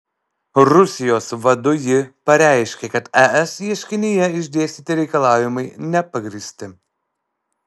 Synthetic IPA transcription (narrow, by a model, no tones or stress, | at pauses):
ɾʊsʲɪjoːsʋɐd̪ʊjɪpɐɾʲæˑɪʃʲkʲeːkɐt̪ɛʔɛsjiɛʃʲkʲɪnʲɪjɛɪʒʲd̪ʲeːsʲt̪ʲiːt̪ʲɪɾʲɛɪkɐlˠɑːʋʲɪmɐɪnʲɛpɐɡɾʲiːsʲt̪ʲɪ